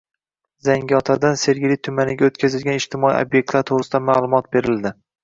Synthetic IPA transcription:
zaŋɡʲɒt̪ʰad̪anse̞ɾɡʲɪlit̪ʰʊmanɪɡʲaot̪kʲazɪlɡʲanɪʃt̪ʰɪmɒḭo̰bje̞k̚ʲt̪laɾt̪ʰoʁɾɪsɪd̪amalˠʊmɒt̪̚be̞ɾɪld̪ɪ

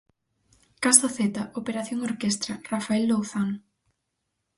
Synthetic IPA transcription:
kast̪oθet̪ɐʔopeɾaθjoŋoɾkest̪ɾɐrafaeld̪owθaŋ

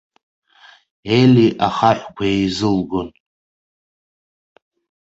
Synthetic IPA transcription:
eliʔaχaħʷkʷʰaejzɨlɡon

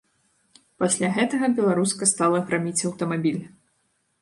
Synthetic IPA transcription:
pasʲlʲaɣɛt̪ɐɣɐbʲɛlˠaɾuskɐst̪alˠɐɣɾamʲit͡sʲɐwt̪ɐmabʲilʲ

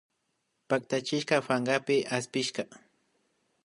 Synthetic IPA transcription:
pakt̪at͡ʃɪʃkɑfaɴɢapɪaspɪʃkɑ

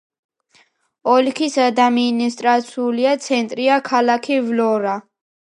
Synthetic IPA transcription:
ɔlikʰisad̪aminist̪ʼɾat̪sʰiuliat̪sʰɛnt̪ʼɾiakʰalakʰivlɔɾa

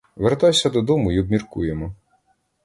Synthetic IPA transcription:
ʋeɾt̪ɑjsʲɐd̪ɔd̪ɔmʊiɔbmʲirkujemɔ

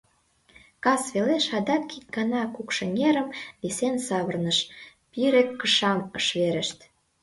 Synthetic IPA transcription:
kɑsβeleʃɑd̪ɑkik̚ɡɑnɑkukʃə̆nʲeɾəmβisensɑβərnəʃ | piɾekːəʃɑməʃβeɾə̆ʃt̪

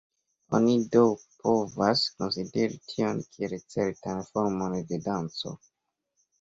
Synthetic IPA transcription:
o̰nidowpʰo̞vasko̞nside̞ɾitʰio̞nkʰielt͡se̞ɾtanfoɾmo̞nde̞dant͡so̞̰

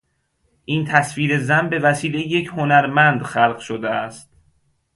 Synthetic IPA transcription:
ʔiːnt̪ʰæsfiːɾe̞zænbe̞væsiːle̞jejecʰho̞næɾmænd̪xælɢʃod̪eæst̪̚

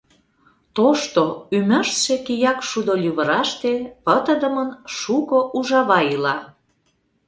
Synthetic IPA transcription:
t̪oʃt̪oymə̆ʃʃekijɑkʃud̪olʲyβə̆ɾɑʃt̪epət̪ə̆d̪ə̆mə̆nʃukoʔuʒɑβɑilɑ

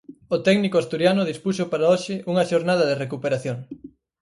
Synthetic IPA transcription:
ot̪ɛɡnikoast̪uɾjanʊðispusopaɾaoʃɪʔuŋɐʃoɾnaðɐðerekupeɾaθjoŋ

